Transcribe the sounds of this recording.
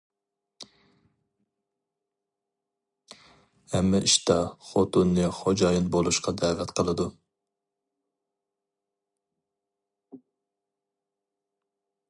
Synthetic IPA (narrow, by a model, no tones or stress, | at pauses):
hɛmːɛʔiʃt̪ɑχot̪unːɨχod͡ʒɑjɨnbolˠuʃqʰɑd̪ɛːvɛt̪qʰəlˠɨd̪u